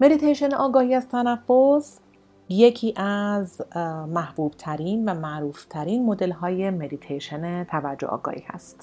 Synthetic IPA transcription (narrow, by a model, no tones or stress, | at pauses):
me̞d̪it̪ʰejʃe̞neʔɒːɡɒːhiːæzt̪ʰænæfːos | je̞cʰiːʔæzmæhb̥uːb̥̚t̪ʰæɾiːnvæmæʔɾuːft̪ʰæɾinmo̞d̪e̞lɦɒːje̞me̞d̪it̪ʰejʃenet̪ʰævæɾd͡ʒːo̰ʔɒ̰ːɡɒ̰ːhḭːhæ̰st̪